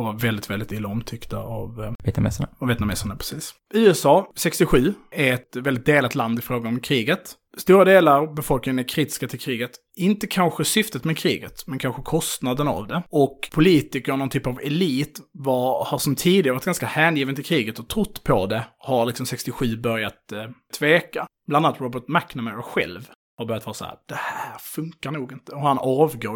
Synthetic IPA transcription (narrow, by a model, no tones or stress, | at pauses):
vaɾvɛld̪ɪt̪vɛld̪ɪt̪ɪlːaɔmt̪ʰʏkt̪a̰avvɛ̰t̪mɛ̰saɳaaveːt̪namɛ̰sːaɳapʰɾɛ̥siːs | ʉ̟ːɛsɑːsɛkst̪ɪɧʉ̟ːæɛɾɛt̪vɛld̪ɪt̪̚d̪eːlat̪land̪ɪfɾoːɡaɔmkʰɾiːɡət̪ | st̪uːɾad̪eːlaɾbɛfɔlknɪŋənækʰɾiːt̪ɪ̥skat̪ʰɪlkʰɾiːɡət̪ | ɪnt̪əkʰanɧəsʏft̪ət̪mɛkʰɾiːɡət̪mɛnkʰanɧəkʰɔst̪nad̪əna̰vd̪ɛɔkpʰʊliːt̪ɪkəɾɔnɔnt̪ʰyːpavɛliːt̪vahaɾʂɔmt̪ʰiːd̪ɪɡaɾvaɾt̪ɡanskahæːnjiːvənt̪ʰɪlkʰɾiːɡət̪ɔt̪ʰɾʊt̪ːpʰɔd̪ɛhaɾlɪksɔmsɛkst̪ɪɧʉ̟ːbœɾjat̪t̪ʰːveːkab̥lananat̪ɾɔbəʈmæknəmɛɾɔɧɛ̰lv | haɾbœɾjt̪vɑːɾasɔhæ̰ːɾd̪̥ɛhæːɾfɵŋkaɾɳuːɡɪnt̪əɔhaɾhanɑːvɡoː